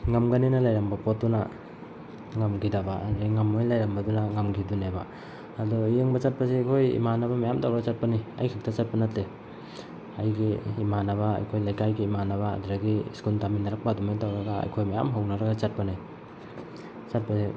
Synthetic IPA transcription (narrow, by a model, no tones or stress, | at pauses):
ŋɐmɡɐninɐlajɾambɐpot̚duna̰ | ŋɐmɡidabaɐ̰dɾaɡiŋɐmːojlajɾɐmbɐdunaŋɐmɡiduneba̰ː | dɔjeŋbɐt͡ʃɐt̚pɐsiɐjkʰojḭmanɐbɐmajamtawɾɐɡɐt͡ʃat̚pɐniɐ̰jkʰik̚tɐt͡ʃat̚pɐnɐtle | ɐjɡiːmanɐβa̰ːjkʰojlajkajɡiːmanɐβa̰ːduɾaɡiskultaminːaɾak̚padumentawɾɐɡaɐ̰jkʰojmaja̰mɦawnaɾɐɡat͡ʃat̚panaj | t͡ʃat̚pɐsi